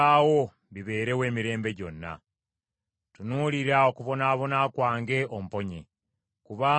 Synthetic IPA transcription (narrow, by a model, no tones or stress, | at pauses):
awo̞ | βiβe̞ːɾe̞we̞ːmiɾe̞ːmbe̞ɟo̞nːa̰ | tunuːliɾaokuβo̞naːβo̞nakwaːŋɡe̞om̩po̞ɲḛ | kuβa